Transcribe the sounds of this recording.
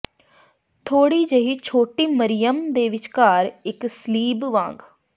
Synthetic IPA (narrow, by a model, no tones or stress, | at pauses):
t̪ʰoːɽiːd͡ʒeɦiːt͡ʃʰoːʈiːməɾɪjəmd̪eːʋɪt͡ʃkaːɾɪksəliːbʋãːŋɡ